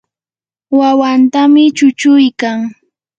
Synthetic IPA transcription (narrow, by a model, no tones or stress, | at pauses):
wawant̪amɪt͡ʃʊt͡ʃʊjkaŋ